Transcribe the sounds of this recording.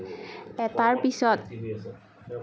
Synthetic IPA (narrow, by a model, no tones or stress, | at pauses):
ɛt̪arpisɔt̪̚